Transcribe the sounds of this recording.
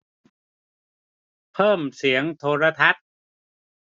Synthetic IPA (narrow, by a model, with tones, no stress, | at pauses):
pʰɤː˥˩msi˩˦əŋt̪ʰoː˧ɾa˧t̪ʰa˦˥t̪̚